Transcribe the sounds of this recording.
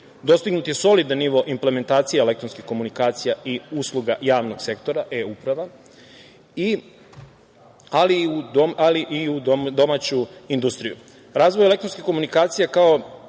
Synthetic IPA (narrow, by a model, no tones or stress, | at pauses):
d̪o̞st̪iɡnut̪je̞so̞lid̪anːiʋo̞ʔimple̞me̞nt̪aːt̪sijaele̞kt̪ɾonskixko̞munikaːt̪sijaʔiuslˠuɡajaːʋno̞ɡse̞k̚t̪o̞ɾaʔeupɾaʋa | i | aliuoaliʔiud̪d̪o̞mat͡ɕuind̪ust̪ɾijṵ | ɾaːzʋojele̞kt̪ɾonskixko̞munikaːt̪sijakao